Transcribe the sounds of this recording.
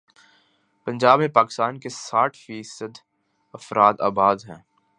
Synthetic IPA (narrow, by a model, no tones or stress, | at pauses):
pɐ̃nd͡ʒaːbmẽpaːkɪ̥st̪aːnkesaːʈʰfiːsəd̪ | ɐfɾʔaːt̪a̰ːbaːd̪ɦɛ̰̃ː